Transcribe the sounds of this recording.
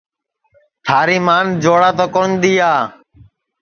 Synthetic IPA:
t̪ʰaːɾiːmaːnd͡ʒoːɽaːt̪oːkond̪iːaː

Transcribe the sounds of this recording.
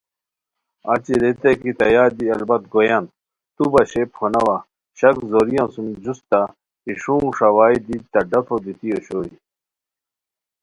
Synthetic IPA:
ɐ̰t͡ɕiɾet̪ekit̪ɐjaːd̪iɐlbɐt̪̚ɡojan | t̪ubɐɕephonɐwa | ɕɐkzoɾijãsumd͡ʑust̪a | iʂũŋʂɐwaːid̪it̪ɐɖɐfʰod̪it̪ijoɕoːɾi

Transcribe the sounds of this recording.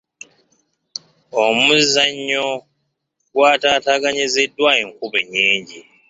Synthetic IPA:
omuzːaɲːo | ɡwaːtaːtaːɡaɲize̞dːwaeŋkuβeɲːiːɲɟi

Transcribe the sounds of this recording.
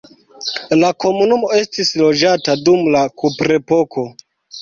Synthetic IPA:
lako̞munumo̞e̞stislo̞d͡ʒatadumlakupɾe̞po̞kʰo̞

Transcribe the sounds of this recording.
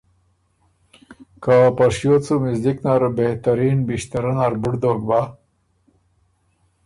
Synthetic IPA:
kapaʂjot͡sumɪzd̪iknaɾbeht̪aɾiːnbiʂt̪ɐɾanaɾbuɽd̪oːɡ̚ba

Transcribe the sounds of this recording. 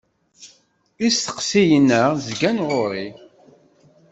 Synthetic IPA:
isθə̥qsijənəʁzɡænʁoɾi

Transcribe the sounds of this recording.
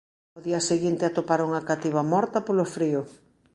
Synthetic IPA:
oðiɐseɣint̪eat̪opaɾuŋɐkat̪iβɐmɔɾt̪ɐpolofɾiʊ

